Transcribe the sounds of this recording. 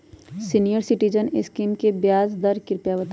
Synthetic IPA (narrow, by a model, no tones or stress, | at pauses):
sinijəɾsɪʈid͡ʒənɪskiːmkebjaːzd̪ɐɾkɪɾpjaːʋət̪